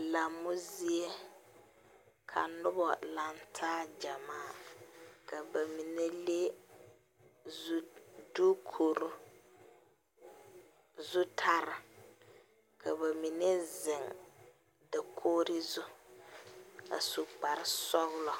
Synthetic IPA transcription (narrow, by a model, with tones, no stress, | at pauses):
la˨mːʊ˦zi˦e˦ | kʰa̰˨nʊ˦bɔ̰˨la˨ntʰaː˦d͡ʒa˨maː˦ | ka˨ba˨mi˨ne˦le˦ | duː˦kʰo˨ɾu˦ | zʊ˦tʰa˦ɾɪ˨ | kʰa˨ba˨mi˨ne˦zɪ˨ŋ | da˨kʰoː˦ɾi˦zʊ˦ | a̰˨su˨k͡pa˨ɾɪ˦sɔ˦ɣʊ˦lɔ˨